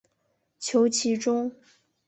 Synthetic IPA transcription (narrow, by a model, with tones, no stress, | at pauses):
t͡ɕʰjo˧˥ʊt͡ɕʰi˧˥ʈ͡ʂʊ˥ŋ